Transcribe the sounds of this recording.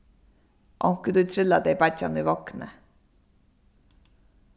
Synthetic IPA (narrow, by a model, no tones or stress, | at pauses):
ʔɑŋkəd̪ʉːt̪ʰɾɪlɑd̪eɪbæcɑ̰nyːʋɑknə̰